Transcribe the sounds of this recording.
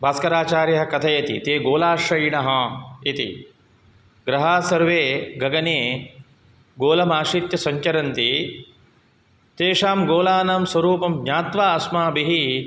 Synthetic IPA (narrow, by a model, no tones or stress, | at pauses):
bʱaːskɐɾaːt͡ʃaːɾjɐɦɐkɐt̪ʰɐjɐt̪ḭt̪eːɡoːlaːʃɐjɳɐɦɐit̪ḭ | ɡɾɐɦaːsɐɾʋeːɡɐɡɐneː | ɡoːlɐmaːʂit̪jɐsɐɲt͡ʃɐɾɐnt̪i | t̪eːʂaːmɡoːlaːnaːmsʋɐɾuːpɐmdɲaːt̪ʋaːɐsmaːbiɦi